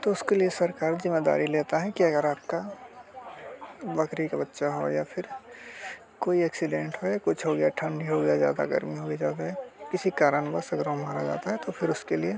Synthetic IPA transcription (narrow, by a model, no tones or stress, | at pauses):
t̪oʊskeliesɐɾkaːɾzɪmːeːd̪a̰ːɾileːt̪aɦɛkiɐɡəɾaːp̚ka | bɐkɾikabɐtːʃaɦo̰japʰɪɾ | koːiɛːksɪɖẽːɳʈɦojakʊt͡ʃʰɦoɡɐjaʈʰə̃ɳɖiɦoɡɐjazja̰ːd̪a̰ɡɐ̰ɾmiɦoɡed͡ʒaːd̪aɦɛkɪsikaːɾənbəsɐɡɾõmaːɾad͡ʒa̰ːt̪aɦɛt̪opʰɪɾʊskelie